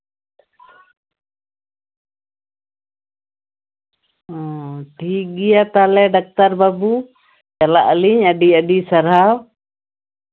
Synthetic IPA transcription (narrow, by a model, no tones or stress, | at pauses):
ɔ̃ʈiɡijat̪alɛɖak̚t̪aɾbabu | t͡ʃalaʔəliɲəɖiəɖisaɾɦaw